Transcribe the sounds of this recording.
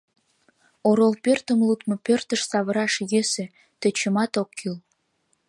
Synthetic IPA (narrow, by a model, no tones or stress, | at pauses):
oɾolpørt̪ə̆mlut̪mɤ̆pørt̪ə̆ʃsɑβəɾɑʃjøsĕ | t̪ə̆t͡ɕə̆mɑt̪okːyl